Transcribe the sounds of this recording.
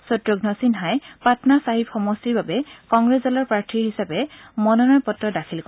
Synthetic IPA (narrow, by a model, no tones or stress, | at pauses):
sɔtɹoɡnɔsinɦajpatʰɔnasaɦipxɔmɔsiɹbabɛkɔŋɡɹeszɔlɔɹpɹaɹtʰiɹɦisapɛmɔnɔnɔjpɔtɹɔdakʰilk